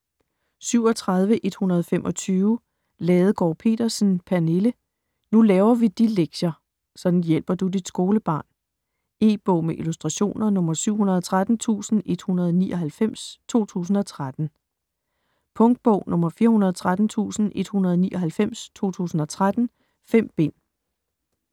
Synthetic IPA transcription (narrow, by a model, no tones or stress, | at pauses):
syʊ̰ɒ̽t͡sʰʁað̞ˠʋəʔe̝d̥hunɐð̞̩ˠfemʔɒ̽t͡sʰyːʊ | lɛːð̞̩ˠɡ̥ɒːpʰe̝̰ːd̥ɐsn̩pʰæɐnelə | nulɛːʊɐʋid̥ileɡ̥ɕɐ | sɒ̽d̥n̩jel̰b̥ɐd̥ud̥id̥sɡ̥o̝ːləb̥ɑ̈ːn | e̝̰ːb̥ɔ̰ʊ̰meʔilusd̥ʁɑ̈ɕo̝̰ːnɐnɔ̽mɐsyʊ̰hunɐð̞̩ˠɒ̽t͡sʰʁad̥n̩t͡sʰṵːsn̩e̝d̥hunɐð̞̩ˠniːʔɒ̽ɦælfem̰st͡sʰo̝̰ːt͡sʰṵːs̬n̩ɒ̽t͡sʰʁad̥n̩ | pʰɔ̽ŋd̥̚b̥ɔ̽ʊ̰nɔ̽mɐfiːɐhunɐðˠt͡sʰʁad̥n̩t͡sʰṵːsn̩e̝d̥hunɐðˠniːʔɒ̽ɦælfem̰st͡sʰo̝̰ːt͡sʰṵːsn̩ɒ̽t͡sʰʁad̥n̩ | fem̰b̥e̝n̰